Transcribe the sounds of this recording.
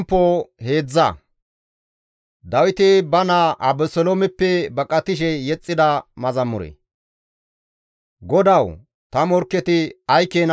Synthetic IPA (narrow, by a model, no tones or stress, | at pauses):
mpːohe̞ːd͡zːɐ̰ | d̪ɐwɪt̪ɪbɐnɐʔɐbɛsɔloːmɛpːɛbɐkʼɐt̪ɪʃ̬ɛjɛt͡sʼːɪd̪ɐmɐzɐmːʊɾḛ | ɡɔd̪ɐw | t̪ɐmɔɾkːɛt̪ɪɐjkeːn